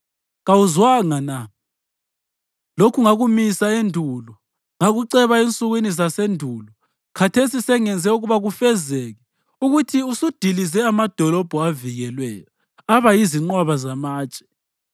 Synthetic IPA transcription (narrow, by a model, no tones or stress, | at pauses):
ɣawuzwaŋana | lokʰuŋaɣumisaendʱuːlɔ | ŋaɣuǀɛβaent͡sʼuɣwinizasendʱulɔ | kʰatʰesisɛŋɛnd͡zʱɛuɣuβaɣufɛzɛɣɛ | uɣutʰiusud̥ʱilizɛamad̥ʱɔlɔb̥ʱɔaviɣɛlwɛ̰jɔ | aβajiziŋ͡ǀwaβazamaːt͡ʃʼɛ̥